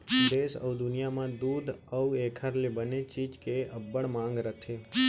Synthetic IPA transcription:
d̪esə̰wd̪ʊnijamãd̪ud̪əwekʰəɾlibənet͡ʃit͡ʃkeəbːəɽmãŋɡɾət̪ʰe

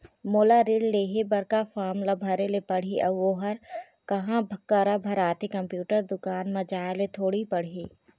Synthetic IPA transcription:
moːlaɾɪɽleːɦebɐɾkafʰaːmlabʱɐɾelepɐɽ̤iʔɐʋoːɦəɾ | kɐɦãbʱkːəɾabʱɐɾaːt̪ikɐ̃mpjuːʈəɾd̪ʊkaːnmɐd͡ʒaːlet̪ʰoːɽipɐɽ̤iː

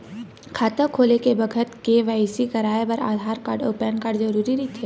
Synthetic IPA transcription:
kʰaːt̪əkʰoːlekebɐɡʱət̪keʋaːjsikɐɾaːepɐɾa̰ːd̪ʱaːɾkaːɾɖoːpɛnkaːɾɖzɐɾuːɾiɾit̪ʰeː

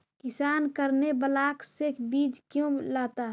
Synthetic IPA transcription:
kɪsaːnkəɾnebəlaːksekbiːd͡ʒkjõlaːt̪aɦ

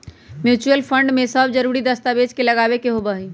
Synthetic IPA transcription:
mjut͡ʃuəlpʰəɳɖmesəbd͡ʒəɾuɾid̪əst̪abed͡ʒkeləɡabekeɦobaɦi

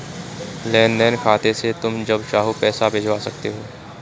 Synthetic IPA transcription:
lɛːnɖɛːnkʰaːt̪eset̪ʊmd͡ʒɐbt͡ʃaːɦopɛːsabʱed͡ʒʱwasɐkt̪eɦoː

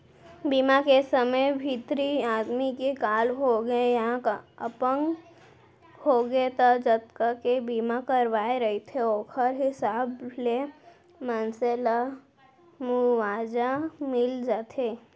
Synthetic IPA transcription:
biːmakesəməjbʱiːt̪ɾiaːd̪mikekaːlɦoɡəejɦãkəpəŋɡ | hoɡet̪ad͡ʒət̪kakebiːmakəɾʋaːeɾəɦit̪ʰeoːkʰəɾɦɪsaːble | mənsela | muʋaːd͡ʒamɪld͡ʒaːt̪ʰeː

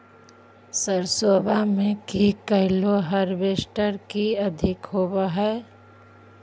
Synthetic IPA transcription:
səɾsoːbʱamẽkikəɦloɦəɾʋeːsʈəɾkiɐd̪ʱɪkɦoːbaɦɛː

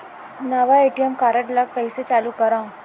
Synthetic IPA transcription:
nəʋaeʈijemkaɾəʈlakəjset͡saluːkəɾã

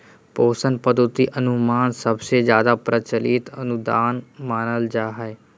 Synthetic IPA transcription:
poːsənpəd̪ʱot̪iʔənumaːnsəbsed͡ʒjaːd̪apɾət͡ʃəlit̪ənud̪aːnmaːnəld͡ʒaːɦae

